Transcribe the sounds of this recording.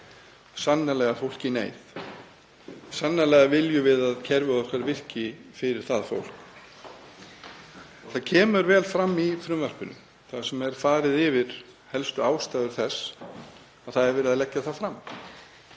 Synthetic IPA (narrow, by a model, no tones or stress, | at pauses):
sanːalɛɣafowl̥cɪnḛːjθ | sanːalɛɣavɪljʏvɪðaðcʰɛɾvʏɔhkvɛɾvɪr̥cɪfɪɾɪɾ̥θaðfo̰wl̥k | θaðcʰɛːmʏɾvɛːlfɾamːifɾʏmvɛr̥pʏnʏ̰m | θaðsɛmɛɾ̥faːɾɪðɪvɪɾ̥ | hɛlst̪ʏaːwst̪aːjðʏɾ̥θɛsː | aðθaðɛɾvɛːɾɪðaðlɛcːaθaðfɾam